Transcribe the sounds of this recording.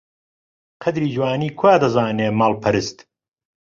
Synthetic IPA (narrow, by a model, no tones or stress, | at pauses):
qʰɐd̪ɾiːd͡ʒwaːniːkʰwaːd̪ɐzaːneːmaːlˠpʰɐɾɨst̪